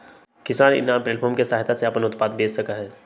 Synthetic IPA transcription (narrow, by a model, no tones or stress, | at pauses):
kɪsaːnɪ̰nãːpɾeːlpʰoːɾmkesaːɦɪt̪ʰaseɐpənʊt̪paːd̪̚beːsɐkaɦɛː